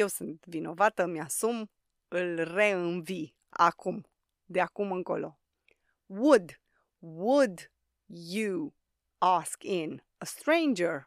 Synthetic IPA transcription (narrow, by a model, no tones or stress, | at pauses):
je̞wsɨnt̪vino̞vat̪əmʲjasum | ɨlre̞ɨnvi | a̰kum | d̪eakumɨŋko̞̰lo̞ | wud̪ | wud̪ | ju | askɪn | əst̪ɾẽɪnd͡ʒəɹ